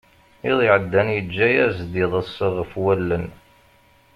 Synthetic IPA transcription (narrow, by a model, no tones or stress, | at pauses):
iðˤɪʕəd̪ːænjəd͡ʒːæjæzd̪iðˤəsːəʁəfwælːən